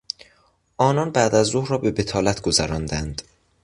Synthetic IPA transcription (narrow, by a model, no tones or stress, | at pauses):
ʔɒːnɒnbæːd̪æzːohɾɒːbe̞be̞t̪ʰɒːlæt̪ʰɡ̥ozæɾɒːnd̪ænd̪̥